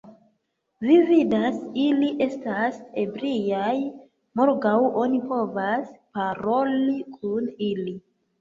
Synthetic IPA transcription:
vividasiliʔe̞stase̞bɾijaj | mo̞ɾɡawo̞nipo̞vaspaɾo̞likʰunili

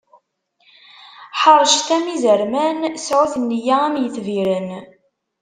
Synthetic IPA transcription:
ħəɾˤʃθæmizəɾmænsʕuθənːjaæmjəθviɾən

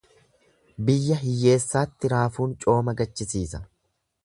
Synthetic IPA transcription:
bɪjːɐɦɪjːe̞ːsːaːt̪ːɪɾaːfuːnt͡ʃʼo̞ːmɐɡɐt͡ʃːɪsiːsɐ̥

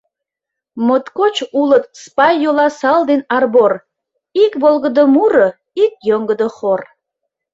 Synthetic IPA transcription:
mot̪kot͡ɕulət̪̚spɑjːolɑsɑld̪enɑrbor | ikβolɣəd̪əmuɾə | ik̚jøŋɡəd̪əχor

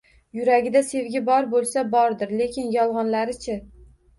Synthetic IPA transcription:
jʊɾaɡʲɪd̪ase̞vɡʲɪbɒɾbolˠsabɒɾd̪ɪɾle̞kʲʰɪnjɒlˠʁɒnlaɾɪt͡ʃʰa

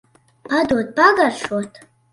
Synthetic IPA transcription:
b̥adot̚ʰʼb̥aɡarʂotʰ

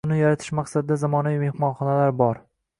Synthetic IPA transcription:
ʊnɪjaɾat̪ʰɪ̥ʃmaqsad̪ɪd̪azamɒnavime̞hmɒnχɒnalaɾbɒɾ

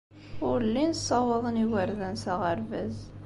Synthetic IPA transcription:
ʊɾəlːinəsˤːɑwɑðˤəniwəɾðænsæʁəɾvæz

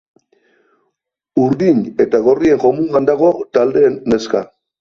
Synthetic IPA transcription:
uɾðiɲe̞t̪aɣo̞rie̞ŋxo̞muand̪aɣo̞t̪ald̪e̞ːnːeska̰

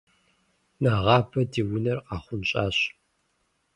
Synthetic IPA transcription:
naʁɑːbʰɐdiːwʊnɐrqɑːχʷʊnɕʼa̰ːɕ

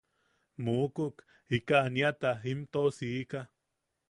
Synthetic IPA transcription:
mukuk | ikaniat̪aimt̪osiːka

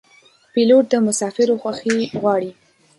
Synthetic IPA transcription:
piloʈ̚d̪əmʊsɑfɪɾoxwaxiɣwɑɽi

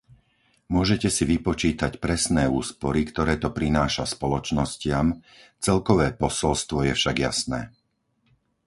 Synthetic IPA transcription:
mʊɔʒɛcɛsiʋipɔt͡ʃiːt̪acpɾɛsnɛːuːspɔɾikt̪ɔɾɛːt̪ɔpɾinaːʃaspɔlɔt͡ʃnɔscɪam | t͡sɛlkɔʋɛːpɔsɔlst̪ʋɔjɛfʃaɡja̰snɛ̰ː

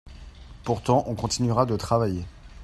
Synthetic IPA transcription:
puʁt̪ɑ̃ʔɔ̃kɔ̃t̪inɥyʁad̪ət̪χavaje

